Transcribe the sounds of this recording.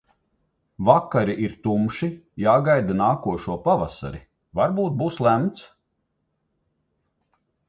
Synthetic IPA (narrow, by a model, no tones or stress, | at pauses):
vakːaɾiʔiɾt̪umʃijaːɡajd̪anaːkuɔʃuɔpavasa̰ɾi | vaɾbuːt̪̚buːslˠæmt̪s